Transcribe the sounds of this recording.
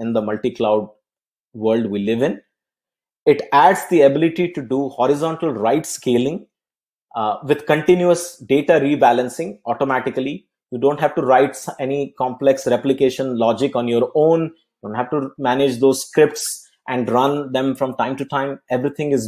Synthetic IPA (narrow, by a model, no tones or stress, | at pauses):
ɪ̃nd̪əmʌlʈiklaʊɖ̚ | ʋəɾlɖʋiːlɪʋɪ̃n | ɪʈæɖzd̪iəbɪlɪʈiʈuɖuhɔːɾɪzɔ̃ɳʈəlɾaɪʈskeːlɪ̃ŋ | ʋɪd̪̥kə̃ɳʈɪ̃njuəsɖeːʈaɾiːbælə̃nsɪ̃ŋɔːʈomæʈɪkəli | juːɖõːɳʈɦæʋʈuɾaɪʈsɛnikɔ̃ːmplɛksɾɛplɪkeːʃə̃nlɔːd͡ʒɪkɔ̃ːnjoːɾõːnjɖõːnɳʈhæʋʈumænɪd͡ʒd̪oːzskɾɪp̚ʈs | ʔɛ̃ɳɖɾʌ̃nd̪ɛ̃mfɾɔ̃mʈãɪ̃mʈuʈãɪ̃mɛʋɾit̪ʰɪ̃ŋɪz